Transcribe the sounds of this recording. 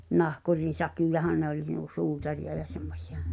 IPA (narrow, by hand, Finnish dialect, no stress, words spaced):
nɑhkurin̞ sɑkijɑhɑn nĕ olʲ nuo suːtɑrij̆ɑ jɑ semːosʲi̥ɑ̥